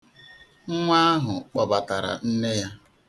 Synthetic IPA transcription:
ŋ̩˦ŋʷa˦a˦ɦʊ˨k͡pɔ˨ba˨ta˨ɾa̰˨n̩˦ne˦ja˦

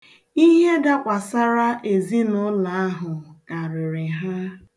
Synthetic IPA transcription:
i˦ɦe˦da˦kʷa˨sa˦ɾa˦ʔe˨zi˦nʊ˦la˨a˦ɦʊ˨ka˨ɾɪ˨ɾɪ˨ɦa˦

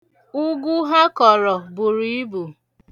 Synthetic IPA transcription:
ʊ˦ɡu˦ɦa˦kɔ˨ɾɔ˨bʊ˨ɾi˨˦i˦bu˨

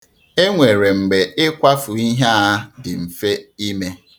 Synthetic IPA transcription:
e˦ŋʷe˨ɾe˨ŋ͡m̩˨ɡ͡be˨ɪ˦kʷa˦fʊ˨i˦ɦa˦dɪ˨m̩˨fe˦i˦me˦

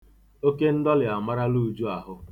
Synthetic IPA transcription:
o˦ke˦n̩˦dɔ˦lɪ˨a˨ma˦ɾa˦lu˦˨d͡ʒu˦a˨ɦʊ˦

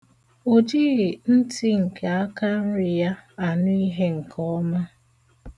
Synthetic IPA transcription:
o˨d͡ʒi˦ɣi˨n̩˦ti˦ŋ̩˨kʰa˨a˦ka˦ɾɪ˨ja˦a˨nʊ˦i˦ɦe˦ŋ̩˨kʰɔ˦ma˦

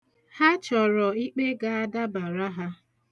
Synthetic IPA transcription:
ha˦t͡ʃɔ˨ɾɔ˨i˦k͡pe˦ɡa˨a˦da˦ba˨ɾa˦ɦa˦

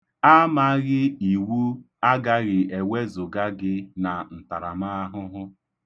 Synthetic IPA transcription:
a˦ma˦ɣɪ˦i˨wu˦ | a˦ɡa˦ɣɪ˨e˨we˦zʊ˨ɡa˦ɡɪ˦na˨n̩˨ta˨ɾa̰˨ma˦a˦ɦʊ˦ɦʊ˦

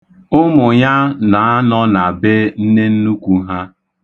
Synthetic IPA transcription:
ʊ˦mʊ˨ɲa˦na˨a˦nɔ˦na˨be˦n̩˦ne˦n̩˦nu˦kʷu˦ɦa˦

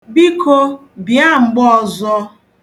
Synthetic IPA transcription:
bi˦kʰo˦ | bja˦ŋ͡m̩˨ɡ͡bɔ˦˨zɔ˦

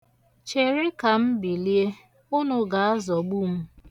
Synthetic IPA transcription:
t͡ʃe˨ɾɪ˦ka˨m̩˦bi˨li˦e˦ | ʊ˦nʊ˦ɡa˨a˦zɔ˨ɡ͡bu˦m̩˦

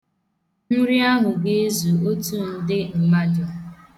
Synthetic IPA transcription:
ɲʊ˦ɾi˦a˦ɦʊ˨ɡe˦e˦zu˨o˦tu˦˨n̩˦dɪ˦m̩˨ma˦d͡ʒʊ˦

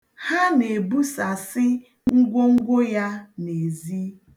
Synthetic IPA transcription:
ha˦ne˨bu˦sa˨sɪ˦ | ŋ̩˦ɡʷo˦ŋ̩˦ɡʷʊ˦ja˦ne˨zi˦

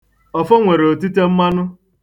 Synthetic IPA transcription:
ɔ˨fɔ˦ŋʷe˨ɾo˨ti˦te˦m̩˦ma˦nʊ˦

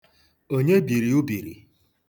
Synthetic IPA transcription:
o˦ɲe˦bi˨ɾi˨u˦bi˨ɾḭ˨

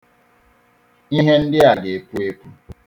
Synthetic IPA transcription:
i˦ɦe˦n̩˦dɪ˦a˨ɡe˨pu˦e˦kʷu˦

